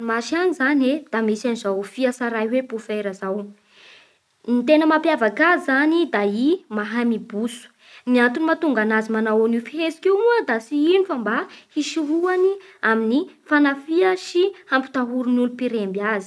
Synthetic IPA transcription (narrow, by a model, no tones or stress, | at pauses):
maʃianizaned̪̥amisanizawfiasaɾajwepufeɾəzaw | nit̪enəmapjavakazizanid̪aimaɦamibusu̥ | niant̪unimat̪uŋɡanazimanawonifiɦesi̥kewuəd̪asiinifəmbahiʃiɦuaniaminifanafiəʃihampi̥t̪aɦuɾunulupiɾembjazi̥